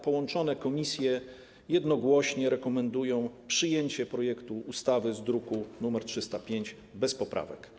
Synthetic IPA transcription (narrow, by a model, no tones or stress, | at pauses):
pɔwɔnt͡ʂɔn̪ɛkɔmʲisʲjɛ | jɛd̪nɔɡwɔɕɲɛɾɛkɔmɛnd̪ujɔ̃w̃pʂɘjeɲt͡ɕɛpɾɔjɛkt̪uːst̪avɘzd̪ɾukunumɛɾtʂɘst̪apʲjeɲd͡ʑ | bɛspɔpɾa̰vɛ̰k